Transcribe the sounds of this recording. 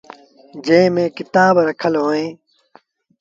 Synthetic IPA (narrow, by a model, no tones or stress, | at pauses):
d͡ʑẽːmẽːkɪt̪aːbɾɐkʰəlɦoːẽː